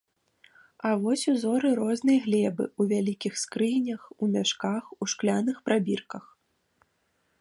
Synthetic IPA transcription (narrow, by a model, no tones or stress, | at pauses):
avɔsʲuzɔɾɨɾɔznɨjɣlʲɛbɨ̰uvʲalʲikʲixskɾɨjnʲɐxumʲaʂkaxuʂklʲanɨxpɾabʲirkɐx